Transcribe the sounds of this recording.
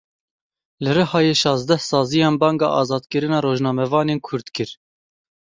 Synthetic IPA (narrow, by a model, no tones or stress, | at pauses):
lɨrɨhɑːjeːʃɑːzd̪ɛhsɑːzijɑːnbɑːŋɡɑ̰ːʔɑːzɑːd̪kɨɾɨnɑːɾoːʒnɑːmɛvɑːneːnkʰʊɾd̪kɨɾ